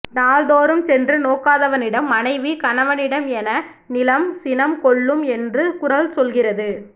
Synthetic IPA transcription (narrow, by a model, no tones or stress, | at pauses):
naːld̪oːɾɯmsɛndrɯnoːkaːðɐʋɐnɪɽɐmːɐnɐɪʋikɐɳɐʋɐnɪɽɐmɛnɐ | nɪlɐmsɪnɐmkɔɭːɯmɛndrɯkʊɾɐlsɔlɣɪrɐðɯ